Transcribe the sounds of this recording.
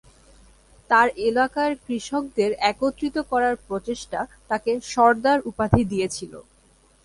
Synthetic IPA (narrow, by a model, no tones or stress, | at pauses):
t̪aɾelakaeɾkɾiʃok̚d̪eɾɛkot̪ːɾit̪okɔɾaɾpɾot͡ɕeʃʈat̪akeʃɔɾd̪aɾupad̪ʱid̪ijet͡ɕʰilo̰